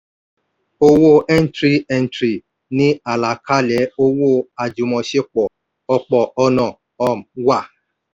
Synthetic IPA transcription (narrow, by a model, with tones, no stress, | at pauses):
o˦wo˦ʔe˦n̩˦tɾi˦ɛ˨n̩˨tɾi˨ | nɪ˦a˨la˨kʰa˦le˨˦o˦wo˦˨a˨d͡ʒu˨mɔ˨ʃe˦k͡pɔ˨ | ɔ˦k͡pɔ˨ʔɔ˦nɔ˦˨ | ɔ˦m̩˨wa˦˨